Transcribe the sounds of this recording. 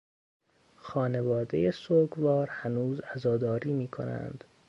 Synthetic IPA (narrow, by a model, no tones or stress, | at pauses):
xɒːne̞vɒːd̪e̞̰jesoːɡvɒːɾhænuːzæzɒːd̪ɒːɾiːmiːkʰo̰næ̰nd̪̥